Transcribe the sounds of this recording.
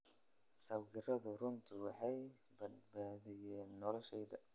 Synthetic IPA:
sɐwɡɪrɐðʊrʊnt̪ʰɪwɑħɑj | bɐd̪baːðɪjɛːnːɔlɔʃɛjd̪ɐ

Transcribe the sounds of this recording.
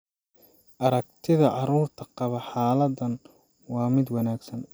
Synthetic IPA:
ʔɐɾɐk̚t̪ʰɪðɐʕɑɾuːrt̪ʰɐqɑβɐħaːlɐd̪ɐn | wɑːmɪd̪wɑnaːɡsɐn

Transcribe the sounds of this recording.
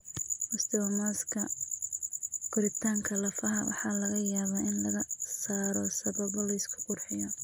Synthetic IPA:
ʔʊst̪ɛwɐmaːskʰɐ | ɡ̥ʊɾɪt̪ʰaːŋkʰɐlɐfɐɦɐwʔɑ̰ħɑːlɐɣɐjaːβaːɪnlɐɣɐsaːɾɔsɐβɐβɔlɐɪskʰʊ̥qʊrħɪjɔ

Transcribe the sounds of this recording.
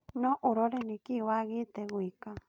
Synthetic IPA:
nõʔuɾoɾenĩkiwaɣit̪eɣʷikã

